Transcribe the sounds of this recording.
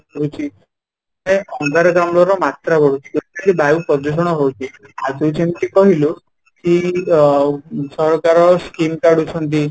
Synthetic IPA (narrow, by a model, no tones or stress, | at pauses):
ɔut͡ʃʰi | neɔŋd̪ʱaɾɔɡamɔlɔɾɔmat̪ɾabɔɽ̤ut͡ʃʰi̥t̪et̪aɾibajupɔd̪us̬ɔɽ̃ɔɦowt͡ʃʰiad͡ʒut͡ʃʰemt̪ikɔɦilu | ki | sɔɾɔkaɾɔskimkaɽut͡ʃʰɔnt̪̬i